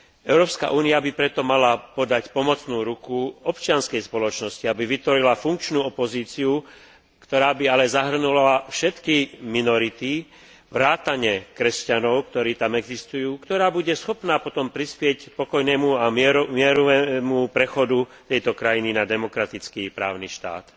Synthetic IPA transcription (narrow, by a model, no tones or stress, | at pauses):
ɛʊɾɔːpska̰ʔuːniabipɾɛt̪ɔmalapɔd̪acpɔmɔt͡snuːɾukuɔpt͡ʃɪanskɛjspɔlɔt͡ʃnɔsciabiʋit̪ʋɔɾilafuŋk̚t͡ʃnuːɔpɔziːt͡siu | kt̪ɔɾaːbialɛzaɦr̩nulaafʃɛt̪kiminɔɾit̪i | ʋɾaːt̪aɲɛkɾɛscanɔʊkt̪ɔɾiːt̪amɛɡzist̪ujuːkt̪ɔɾaːbuɟɛsxɔpnaːpɔt̪ɔmpɾispɪɛcpɔkɔjnɛːmuamɪɛɾɔʋɛmupɾɛxɔd̪ut̪ɛjt̪ɔkɾajininad̪ɛmɔkɾat̪it͡skiːpɾa̰ːʊniʃt̪a̰ːt̪